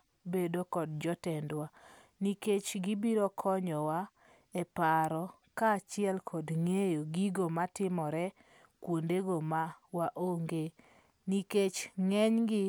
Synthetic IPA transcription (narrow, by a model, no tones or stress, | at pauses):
bedokɔd̚d͡ʒɔtɛndwa | niket͡ʃɡibiɾɔkʰɔɲɔwa | ɛpaɾɔ | kaːt͡ʃɪɛlkʰɔdŋejoɡiɡomatɪmɔɾɛ | kwondeɡomawaʔoŋɡe | niket͡ʃŋɛɲɡɪ